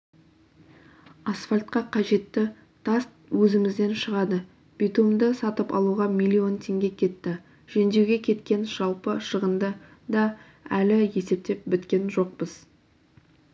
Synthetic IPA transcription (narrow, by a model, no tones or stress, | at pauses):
asfalʲt̪̚qɑqʰɑʒe̞t̪ːɪ | t̪ʰast̪wɵzɪmɪzd̪e̞nʃəʁɑd̪ə | b̥it̪umd̪əsɑt̪əpɑ̰lˠuʁɑmʲijlʲːio̞nt̪ʰe̞ŋɡʲe̞kʲʰe̞t̪ːɪ | ʒ̥end̪ewɡʲe̞kʲʰe̞t̪kʲe̞nʒ̥ɑlˠpəʃəʁənd̪ə | d̪ɑ | ælɪje̞se̞p̚t̪e̞p̚bɪt̪kʲe̞nʒo̞q̚pəz̥